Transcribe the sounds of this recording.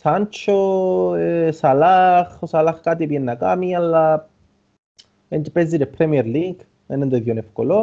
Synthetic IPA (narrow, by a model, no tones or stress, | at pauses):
sant͡ʃoesalaχosalaχkat̪ipjenːakamialːa | ent̪pezid̪epʰɾemjeɾliɡ | enend̪eðjonefkolo